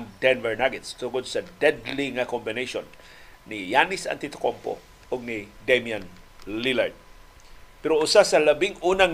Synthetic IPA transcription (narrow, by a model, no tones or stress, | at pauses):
ŋd̪ɛnvɛɹnaɡɛt̪st̪ʊŋod̪̚sɐd̪ɛd̪liŋakombɪnejʃonː | ijanɪsa̰nt̪it̪o̥kompo̰ | ʔʊɡ̚nɪd̪emian | lila̰ɹd̪̚ | pɛɾoʊsasɐlɐbɪŋuːnaŋ